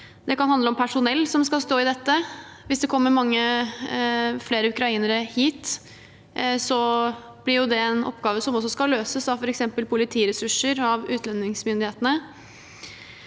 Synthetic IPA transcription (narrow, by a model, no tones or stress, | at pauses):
d̪ɛkɑnhɑnd̪əɔmpʰæʂʊnɛlːsɔmskɑlst̪oːɪd̪ɛt̪ːəʋɪsd̪ɛkʰɔmːəɾmɑŋːə | fleːɾəʉkɾɑiːnəɾəhiːt̪ | sɔ | b̥lɪɾjʊd̪ɛɛnɔ̰pːɡɑːʋəsɔmɔsːɔskɑløːsəsɑʋfɔɾɛksɛmpəlpʰʊlɪt̪ʰiːɾɛsʉʂəɾɑʋʉːt̪ʰlɛnːɪŋsmʏnd̪ɪheːt̪ənə